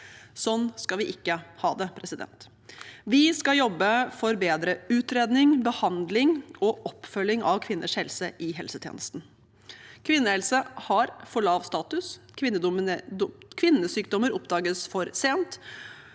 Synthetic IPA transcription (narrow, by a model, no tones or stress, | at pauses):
sɔnːskɑlʋɪʔɪkːəhɑːd̪ɛpʰɾɛsɪd̪ɛ̰nt̪ | ʋɪskɑjɔbːəfɔɾbeːd̪ɾəʉːt̪ɾeːd̪nɪŋbəhɑnd̪lɪŋɔʔɔpːfœlːɪŋɑʋkʰʋɪnːʔə̰ʂhɛlsəʔɪɦɛlsət̪ʰjḛːnəst̪n̩ | kʰʋɪnːəhɛlsəhɑɾfɔɭɑːʋst̪ɑːt̪ʉskʰʋɪnːəd̪ | kʰʋɪnːəsyːkd̪ɔməɾɔpd̪ɑːɡəsfɔɾseːnt̪